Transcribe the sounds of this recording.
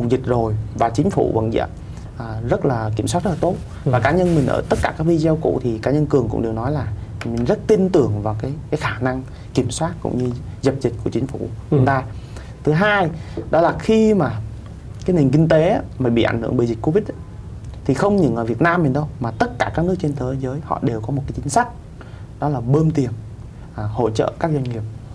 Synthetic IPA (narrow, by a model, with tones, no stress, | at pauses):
hʊ˨˩ŋ͡mzi˨˩k̟̚zo˨˩jvaː˨˩t͡ɕï˨˦ŋ̟fṵ˧˩və̰˧˨nzə̰˧˨n | ʔzə˦˥t̚laː˨˩ki˧˩əmswa˦˥t̚z̥ə˦˥laː˨˩t̪o˦˥t̚ | aː˨˩kaː˨˦ɲə˧nmï˨˩ŋ̟ʔə̰ː˧˩t̪ə˦˥t̚kaː˧˩kaː˦˥k̚vi˧zɛ˧wkṵ˧˨t̪ʰi˨˩kaː˨˦ɲə˧nkɨ˨˩əŋkʊ̰˧˥ŋ͡mɗe˨˩wnɔ˨˦jlaː˨˩mï˨˩ŋ̟zə˦˥t̚t̪i˧nt̪ɨ˧˩əŋvaː˨˩wkaː˨˦jkaː˨˦jxaː˧˩na˧ŋ | ki˧˩əmswaː˦˥t̚kʊ̰˧˥ŋ͡mɲɨ˧ | zə˨˩p̚zï˨˩k̟̚ku˧˩t͡ɕï˨˦ŋ̟fu˧˩ə˨˦nt̪aː˧ | t̪ʰɨ˨˦ɦaː˧jɗɔ˨˦laː˨˩xi˧maː˨˩ | kaː˨˦jni˨˩ŋ̟k̬ï˧ŋ̟t̪e˨˦˧maː˨˧˩ɓḭ˧˨ʔa˧˩ŋ̟hɨ̰˧˩əŋɓḭ˨˩zi˨˩k̟ko˧vi˦˥t̚ | t̪ʰi˨˩xə˧wŋ͡mɲɨ̰˧˩ŋʔəː˨˩vi˨˩ət̚naː˧mːi˨˩n̟ɗə˧wmaː˨˩t̪ə˦˥t̚kaː˧˩kaː˦˥k̚nɨ˦˥ək̚t͡ɕe˧nt̪ʰəː˨˦jzəː˨˦jhɔ̰˧˨ɗe˨˩wkɔ˨˦mo˨˩t̚kːaː˨˦t͡ɕï˨˦ŋ̟sa˦˥k̟̚ | ɗɔ˨˦laː˨˩ɓəː˧mt̪i˨˩ən˨˩ | ho̰˧˨t͡ɕə̰ː˧˨kaː˦˥k̚zwa˧ŋ̟ŋi˨˩əp̚